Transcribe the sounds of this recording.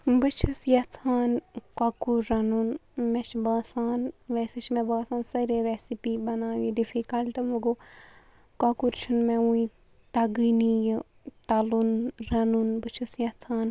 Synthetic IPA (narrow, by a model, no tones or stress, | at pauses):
bɨt͡ʃʰɨsjɐt͡sʰaːnkakuɾːɐnunmet͡ʃʰbaːsaːnʋeːset͡ʃʰmɛ̃baːsaːnsɐɾeɾesipibɐnaːʋĩdifʰikɐlʈɐmɐɡo | kakuɾt͡ʃʰunmẽuĩ | t̪ɐɡinij | t̪ɐlunɾɐnunbɨt͡ʃʰusjɐt͡sʰaːn